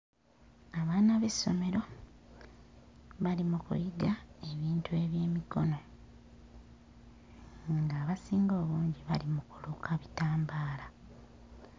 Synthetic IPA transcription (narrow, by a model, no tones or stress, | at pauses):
aβaːnaβe̞sːo̞̰me̞ɾo̞ | βalimukṵjiɡae̞βiːntue̞βje̞ːmiko̞̰no̞ | ŋɡaːβasiːŋɡo̞ːβuːɲɟiβalimukulukʰaβitaːmbaːla